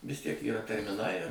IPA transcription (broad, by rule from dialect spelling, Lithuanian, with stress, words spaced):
ʋʲɪs ˈtʲiɛk iːˈrɐ tʲɛrʲmʲɪˈnɐɪ